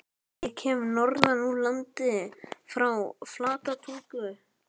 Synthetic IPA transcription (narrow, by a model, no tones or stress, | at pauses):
jɛcʰɛːmʏnɔɾðanulant̪ɪfɾawflaːt̪at̪ʰuŋkʏ